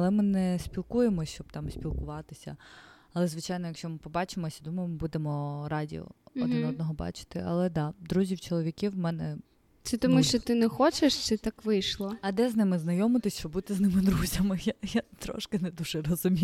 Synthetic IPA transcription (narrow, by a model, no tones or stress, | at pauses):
ɐlˠɛmɪnɛsʲpʲilˠkujemɔt͡ʃɔb̚t̪ɑmsʲpʲilˠkʊʋɑt̪ɪsʲɐ̰ | ɐlˠɛzʋɪt͡ʃɑjnɔjɐkʃt͡ʃɔmɪpɔbɑt͡ʃɪmɔsʲɐd̪umɐjmɔbud̪emɔɾɑdʲḭɔ̰ɔd̪ɪnɔd̪nɔɦɔbɑ̰t͡ʃɪ̥t̪ɪʔɐ̰lˠɛd̪ɑd̪ɾuzʲiwt͡ʃɔlˠɔʋʲikʲiwmɛnɛ | sɛt̪ɔmuʃt͡ʃɔt̪ɪnɛxɔt͡ʃeʃt͡ʃɪt̪ɑkʋɪjʃlˠɔɐd̪ɛznɪmɪznɐjɔmɪt̪ɪsʲɔbut̪ɪznɪmɪd̪ɾuzʲɐmɪjajat̪ɾɔ̰ʃkɪnɛd̪uʒɛrɔzʊmʲij